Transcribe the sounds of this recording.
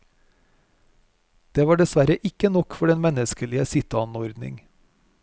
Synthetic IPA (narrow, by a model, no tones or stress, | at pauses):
d̪̥eːʋɑːɖɛsʋæɾəʔɪkənɔkfɔɖɛnmɛnəskəlɪəsɪt̪ɑnɔɾd̪nɪ̰ŋ